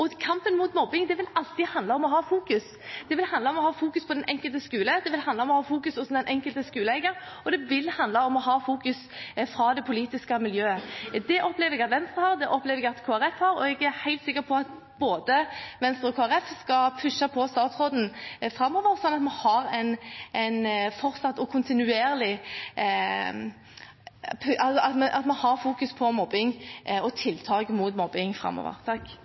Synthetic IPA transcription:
ɔkʰɑmpənmuːt̪mɔbɪŋd̪ɛʋɪlɑlt̪ɪhɑnd̪ɑɔmɔɦɑːfuːkʉs | d̪̥ɛʋɪlhɑnd̪ɑɔmɔhɑːfuːkʉspʰɔd̪ɛnʔɛŋkəlt̪əskʉːləd̪ɛʋɪlhɑnd̪ɑɔmɔhɑːfuːkʉsʊsm̩d̪ɛnʔɛŋkəlt̪əskʉːləæɪɡəɾ | ɔd̪ɛʋɪlhɑnd̪lɑɔmɔɦɑːfuːkʉsfɾɑd̪ɛpʰʊliːt̪ɪskəmɪljøːəd̪ɛʔɔpleːʋɛɡɑt̪ʋɛnst̪ʁəhɑːʁd̪ɛʔɔpːleːʋɛɡɑt̪kʰoːæɾɛfhɑɾɔɛɡæɾhæɪlt̪sɪkːəɾpʰɔɑt̪ | b̥oːd̪əʋɛnst̪ɾəɔkʰoːæɾɛfskɑpʰʉʂːɑpʰɔst̪ɑːt̪sʁoːd̪n̩fɾɑmːɔːʋəɾsɔnːɑt̪mɑhɑɾɛɪnʔɛɪnfɔɾt̪sɑt̪ːɔkʰʊnt̪ɪnʉeːɾlɪ | pʰʉʔɑsɔɑt̪mɛnʔɑt̪mɑnhɑɾfuːkʉspʰɔmɔbːɪŋɔt̪ʰɪlːt̪ʰɑːɡəmʊt̪mɔbːɪŋfɾɑ̰mːɔ̰ːʋə̰ɾt̪ʰɑkː

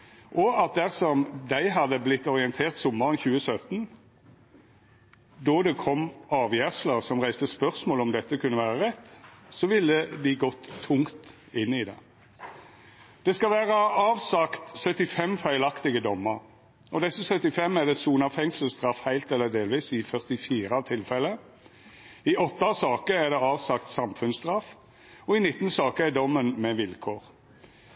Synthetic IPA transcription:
ʔɔɑt̪̚d̪æʁsɔmd̪æɪɦɑd̪əblɪt̪ːɔʁɪɛnt̪ʰeːʁt̪sɔmːəʁənçʉːəsœt̪n | d̪ɔd̪ɛkʰɔmɑːʋjæːʁsləʁsɔmʁæɪst̪əspœʁsmoːlɔmd̪ɛt̪ːəkʰʉnːəʋæːʁəʁɛt̪ːsɔʋɪlːəd̪ɪɡɔt̪ʰːʊŋt̪ | ɪnːɪd̪ɛ̰ | d̪̥ɛskɑlʋæːʁəɑːʋsɑkt̪sœt̪ɪfɛmfæɪlɑkt̪ɪɡəd̪ɔmːəɾ | ɔd̪ɛsəsœt̪ɪfɛmːæd̪ɛsuːnɑfɛŋsəlst̪ʁɑfhæɪlt̪ɛlːəd̪eːlʋiːsɪfœʁt̪ɪfiːɾɑt̪ʰɪlfɛlːə | ɪʔɔt̪ːɑsɑːkəæd̪ɛɑːʋsɑkt̪sɑmfʉnsd̪ʁɑf | ɔɪnɪt̪ːn̩sɑːkəæd̪ɔmːənmɛʋɪlkʰoːʁ

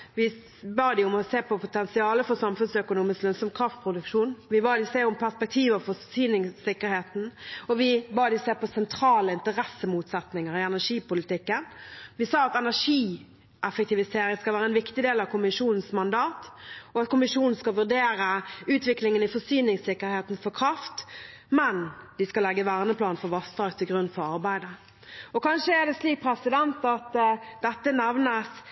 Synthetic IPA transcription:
ʋɪ | bɑːd̪ɪʊmɔseːpʰɔpʰʊt̪ʰɛnsɪɑːləfɔsɑmfʉnsœkʊnuːmɪsklœnsɔmkʰɾɑft̪̚pʰɾʊd̪ʉkʂuːnʋɪbɑːd̪ɪseːʊmpʰæʁspɛk̚t̪ʰiːʋəʋfɔsyːnɪŋsɪkːəɾheːt̪n̩ɔʋɪbɑːd̪ɪseːpɔsɛnt̪ʰɾɑːləɪnt̪əɾɛsːəmuːt̪sɛt̪nɪŋəɾɪɛnæʂiːpʊlɪt̪ɪkːənʋɪsɑːɑt̪ɛnæʂiː | ʔɛfək̚t̪ɪʋɪseːɾɪŋskɑlʋæːɾəɛnʋɪkt̪ɪd̪eːlɑʋkʰʊmɪʂuːnn̩smɑnd̪ɑːt̪ɔɑt̪kʰʊmɪʂuːnn̩skɑʋʉʁd̪eːɾəʉːt̪ʋɪklɪŋənɪfɔsyːnɪŋsɪkːəɾheːt̪n̩fɔkʰʁɑft̪ | mɛnd̪̥ɪskɑlɛɡːəʋæʁnəplɑːnfɔʋɑst̪ʁɑːɡ̚t̪ʰɪlɡʁʉnːfɔɾɑʁbæɪd̪ə | ɔkʰɑnʃəæd̪ɛsliːk̚pʰɾɛsɪd̪ɛnt̪ɑt̪d̪ɛt̪ːənɛʋnəs

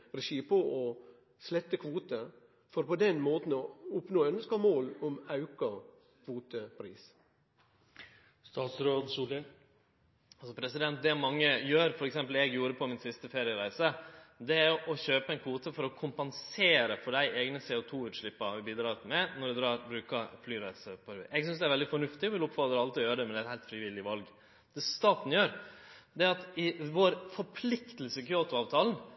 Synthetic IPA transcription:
ɾɛʃiːpɔʔɔ | slɛt̪ːəkʰʋuːt̪ə | fɔɾpɔd̪ɛnmoːt̪n̩ɔʊpnoːœnskɑmoːlɔmɑʉkɑ | kʰʋuːt̪əpʰɾḭːs | st̪ɑːt̪sɾoːd̪suːlə | ɑlsɔpʰɾɛsɪd̪ɛnt̪̚d̪ɛmɑŋːəjøːɾfɔɾɛksɛmpəl̩ɛɡjuːɾəpʰɔmɪnsɪst̪əfeːɾɪəɾæɪsəd̪ɛæɾjʊʔɔçøːpəɛnkʰuːt̪əfɔɾɔkʰʊmpɛnseːɾəfɔɖæɪʔeːɡnəseːʊt̪ʰuːʉːt̪ʂɭɪpːɑʋɪbiːd̪ɾɑːt̪mɛnɔɖɛd̪ɾɑːɾbɾʉːkɑɾflyːɾæɪsəpʰɔɾʉ̰ʔɛɡsʏnsd̪ɛæɾʋɛld̪ɪfɔɳʉft̪ɪɔʋɪlʊpfɑt̪ɾəɑlt̪ɪɔjøːɾəɖ̪ɛmɛɛæɪhæɪt̪fɾɪʋɪlːɪʋɑlɡ | d̪̥ɛst̪ɑːt̪n̩jøːɾd̪ɛæɾɑt̪ɪʋoɾfɔɾpʰlɪkt̪əl̩səkʰʏoːt̪ʊɑːʋt̪ʰɑːln̩

